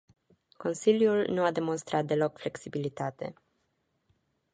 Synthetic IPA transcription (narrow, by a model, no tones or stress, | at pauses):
ko̞nsiljulnuad̪e̞mo̞nst̪ɾʔat̪̚d̪e̞lo̞kfle̞ksibilit̪at̪e̞̰